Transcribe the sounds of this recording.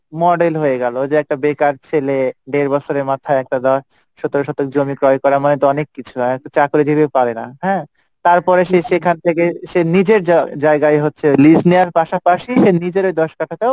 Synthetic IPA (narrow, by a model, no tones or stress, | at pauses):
mɔɖelɦoeɡɛlod͡ʑeɛk̚ʈabekaɾt͡ɕʰeleɖeɾbɔt͡ɕʰoɾemat̪ʰaeɛk̚ʈad̪ɔʃ | ʃɔt̪oɾoʃɔt̪ok̚d͡ʑomikɾɔjkɔɾamanet̪oɔnekːit͡ɕʰuk̚tot͡ɕakoɾed͡ʑibepaɾenaɦɛ̃ | t̪aɾpɔɾeʃeʃekʰant̪ʰekeʃenid͡ʑeɾd͡ʑaeɡaeɦotːɕʰelisneaɾpaʃapaʃiʃenid͡ʑeɾojd̪ɔʃkaʈʰat̪eo